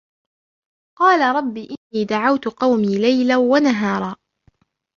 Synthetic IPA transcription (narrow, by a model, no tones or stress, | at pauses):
qɑːlaɾˤɑbːiːʔɪnːiːd̪aʕawt̪ʊqɑwmiːlajlawanaɦɑːɾˤɑː